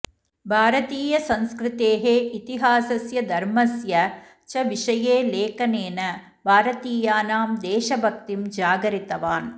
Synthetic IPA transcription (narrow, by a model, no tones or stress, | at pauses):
bʱaːɾɐt̪iːjɐsɐ̃nskɾɪt̪eːɦeːʔit̪iɦaːsɐsjɐd̪ɐɾmɐsjɐ | t͡ʃɐʋiʂɐjeːleːkɐneːnɐ | bʱaːɾɐt̪iːjaːnaːmd̪eːʃɐbʱɐk̚t̪imd͡ʒaːɡɐɾit̪ɐʋaːn